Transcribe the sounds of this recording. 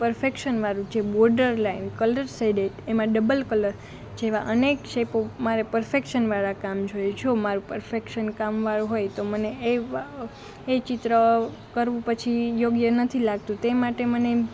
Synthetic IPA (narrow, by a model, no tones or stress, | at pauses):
pəɾfekʃənʋaɾũd͡ʒebɔɾɖəɾlainkələɾsajɖeʈemãɖəbəlkələɾ | d͡ʒeʋaʔənekʃʰepomaɾepəɾfekʃənʋaɭakamd͡ʒojd͡ʒʰomaɾũpəɾfekʃənkamʋaɭuɦojt̪omənee | t͡ʃɪt̪ɾə | kəɾʋũpət͡ʃʰijoɡjənət̪ʰilaɡ̚t̪ũt̪emaʈeməne